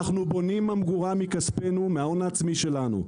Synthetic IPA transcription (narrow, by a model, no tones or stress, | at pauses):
aχnubo̞nimamɡuʁamikaspe̞numeaonaːt͡smiʃe̞lanṵ